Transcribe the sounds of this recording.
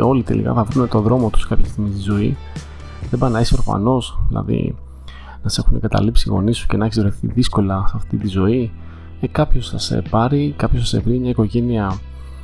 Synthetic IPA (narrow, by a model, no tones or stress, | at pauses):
o̞lit̪e̞̰lḭkɐ̰θɐvɾunet̪o̞ðɾo̞mot̪u̥skɐpçest̪iɣmist̪izo̞i | ðebɐnɐisepɾo̞fɐ̰no̞sðilɐ̰ðḭ | nɐse̞xuneŋɡɐt̪ɐ̰lipsiɣo̞̰nisu̥ce̞nɐeçizvɾoθḭðisko̞lɐsɐft̪it̪izo̞i | ekɐpço̞sθɐsḛpɐɾikɐpços̬ɐse̞̰vɾimɲɐiko̞ʝe̞niɐ